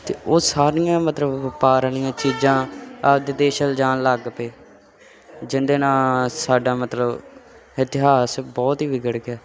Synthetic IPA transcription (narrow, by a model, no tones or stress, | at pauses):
t̪eːʔoːsaːɾɪjãːmət̪ləbpaːɾəlijãːt͡ʃiːd͡ʒãːəd̪ɪd̪eːʃəld͡ʒaːnləɡpeː | d͡ʒɪnd̪eːnãːsaːɖaːmət̪ləb | ɪt̪ɪɦaːsbɔːt̪ɦiːʋɪɡəɽɡjaː